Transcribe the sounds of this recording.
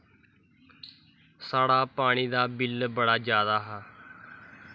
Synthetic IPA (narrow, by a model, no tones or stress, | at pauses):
saːɽaːpaːɽ̃iːd̪aːbɪlbəɽaːd͡ʒjaːd̪aːɦaː